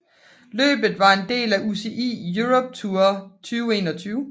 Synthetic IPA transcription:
lø̰ːb̥ð̩ˠʋɑ̈e̝nd̥e̝̰ːlæʔuse̝ʔḭːjuʁɔ̽b̥̚t͡sʰuːɐt͡sʰyːʊe̝ːnɒ̽t͡sʰyːʊ

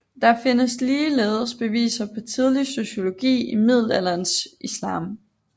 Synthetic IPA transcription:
d̥ɑ̈fe̝nəsliːleːð̞ˠəsb̥e̝ʋḭːsɐpʰɒ̽t͡sʰið̞ˠliso̝ɕo̝lo̝ɡ̥ḭːimið̞ˠl̩ælænsʔislɑ̰̈ːm

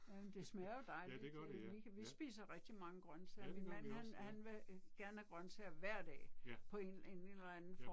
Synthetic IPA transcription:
jæmend̥e̝smæɐjo̝d̥ɑ̈ɪli̥ʋiʋisb̥ḭːsɐʁɛɡ̥̚d̥imɑ̈ŋəɡ̥ʁɶnt͡sʰeɐminmæn̰hænhænʋe̝ɡ̥æɐnəhæɡ̥ʁɶnt͡sʰeɐʋæɐ̰d̥ɛ̰ːpʰɒ̽e̝ne̝nelɐænn̩fɒ

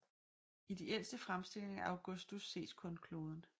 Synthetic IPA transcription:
id̥eel̰sd̥əfʁamsd̥e̝le̝e̝ŋæʔɑʊɡ̥ɔ̽sd̥usːe̝̰ːd̥kʰɔ̽nkʰlo̝ːð̞ˠən̩

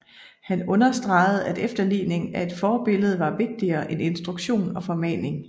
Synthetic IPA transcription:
hænɔ̽nɐsd̥ʁɑ̈ɪð̞̩ˠæd̥efd̥ɐlḭːne̝ŋæe̝d̥fɒːb̥e̝ləð̞̩ˠʋɑ̈ʋe̝ɡ̥̚d̥iɐːʔene̝nsd̥ʁuɡ̥ɕo̝̰ːnɒ̽fɒ̽mɛ̰ːne̝ŋ

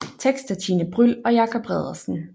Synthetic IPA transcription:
t͡sʰeɡ̥sd̥ɐt͡sʰinəb̥ʁyl̰ɒ̽jɑ̈ːkʰɒ̽b̥ʁɛð̞̰ˠɐsn̩

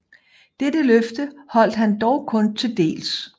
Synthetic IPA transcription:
d̥edəløfd̥əhɒ̽l̰d̥ɦænd̥ɒʊkʰɔ̽nt͡sʰe̝ld̥e̝̰ːls

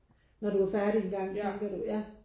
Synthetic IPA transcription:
nɒduæɐfæɐɾienɡ̥ɑ̈ŋ̰t͡sʰeŋɡ̥ɐɾ̥ujæ

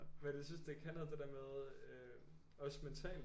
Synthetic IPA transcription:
ʋæjesynsd̥e̝kʰænɐd̥e̝d̥æɐmeðˠø | ɒ̽sment͡sʰɛ̰ːl

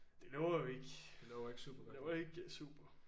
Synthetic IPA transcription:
d̥e̝lɛːʊɐjoe̝ɡ̥d̥elɛʊɐeɡ̥sṵːb̥ɐɡ̥leʊɐjoe̝ɡ̥sṵːb̥ɐ

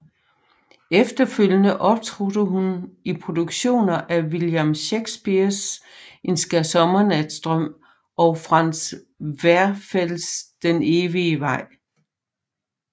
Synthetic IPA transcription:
efd̥ɐføl̰jənəʔɒ̽b̥t͡sʰʁud̥əɦunipʰʁo̝d̥uɡ̥ɕo̝̰ːnɐʔæʋiljæmɕeɡ̥sb̥iɐsʔe̝nsɡ̥æsɒ̽mɐnæd̥sd̥ʁœm̰ | ɒ̽fʁɑ̈n̰s | ʋæɐfel̰sd̥eneːʋiʋɑ̈ɪ̰

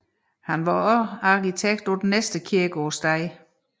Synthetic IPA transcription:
hænʋɑɒɑ̈kit͡sʰeɡ̥̚d̥ɒd̥en̩nesd̥əkʰiɐɡ̥ɒːsd̥ɑɪ̰

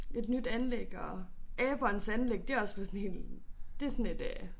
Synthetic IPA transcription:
e̝d̥nyd̥ænleɡ̥ɒɛːb̥ɒnsænleɡ̥̚d̥e̝ɒ̽sʋelsnhe̝ld̥e̝sɔned̥ɛː

